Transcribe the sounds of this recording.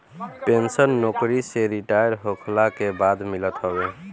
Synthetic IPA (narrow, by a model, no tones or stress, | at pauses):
pensənːokɾiseɾiʈajəɾɦokʰlakebad̪milət̪ɦəbe